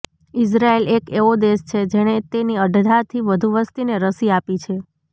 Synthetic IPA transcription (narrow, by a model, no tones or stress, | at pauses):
ɪs̬ɾaelekeod̪est͡ʃʰed͡ʒeɽ̃et̪eniəɖʱd̪ʱat̪ʰiʋəd̪ʱuʋəst̪ineɾəsiapit͡ʃʰe